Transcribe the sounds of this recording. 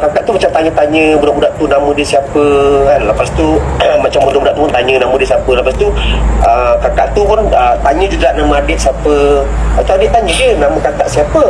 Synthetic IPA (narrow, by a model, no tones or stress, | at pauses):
kakaʔt̪umat͡ʃamt̪aɲə̃t̪aɲə̃bunaʔudaʔt̪unamə̃diəsiapəanlləpast̪umat͡ʃambudaʔudaʔt̪upunt̪aɲə̃namə̃dəsiapələpasit̪uəkakaʔt̪upʊnət̪aɲə̃d͡ʒuɡahnamə̃adɪʔsiapəat̪uadɪʔt̪aɲədənamə̃kakaʔsiapə